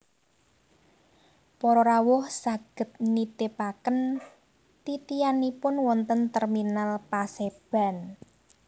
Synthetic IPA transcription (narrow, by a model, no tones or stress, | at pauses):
pɔɾɔɾawʊhsaɡ̥ə̤t̪̚nit̪epakən | t̪it̪ijanipʊnwɔnt̪ənt̪ɛrminalpaseb̥a̤n